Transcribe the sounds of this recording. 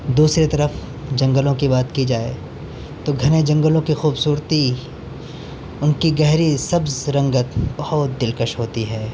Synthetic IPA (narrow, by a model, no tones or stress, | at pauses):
d̪uːsɾet̪ɐɾəf | d͡ʒɐ̃ŋɡəlõkibaːt̪kid͡ʒaːḛ | t̪oɡʱɐned͡ʒɐ̃ŋɡəlõkixuːbsuːɾt̪i | ʊnkiɡɛɦɾisɐbzɾɐ̃ŋɡət̪bɐhʊt̪̚d̪ɪlkəʃɦoːt̪iɦɛː